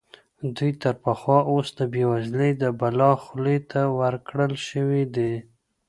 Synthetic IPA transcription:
d̪ujt̪əɾpaxwɑʔosd̪əbewazləjd̪əbalɑxlet̪ʰawaɾkɽəlʃəwid̪e

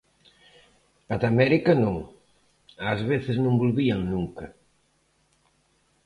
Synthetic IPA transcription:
ɐðamɛɾikɐnõŋ | azβeθɪznõmbulβiɐŋnuŋkɐ

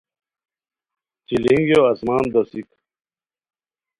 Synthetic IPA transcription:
t͡ɕiliŋɡjoɐsmaːnd̪ɐsik

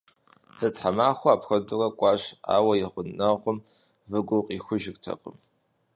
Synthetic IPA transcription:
tʰɐtħamaːxʷʊaːpxɐdʊrɐkʷʼɑːɕa̰ːwɐjɪχʷʊnnɐʁʷʊm | vɨɡʷʊqʼiːxʷʊʒɪktʰɐ̰qʼə̰m

